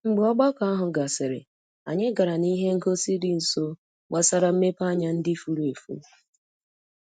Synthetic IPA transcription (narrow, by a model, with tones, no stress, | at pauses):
ŋ͡m̩˨ɡ͡bu˨ɔ˦ɡ͡bɔ˦ka˨a˦ɦʊ˨ɡa˨sɪ˨ɾɪ̰˨ | a̰˨ɲe˦ɡa˨ɾa˨ni˦ɦe˦ŋ̩˦ko˦si˦dɪ˦n̩˨so˦ | ɡ͡ba˦sa˦ɾa˨m̩˦me˦pa˦ɲa˦n̩˦dɪ˦fu˨ɾu˦e˨fṵ˦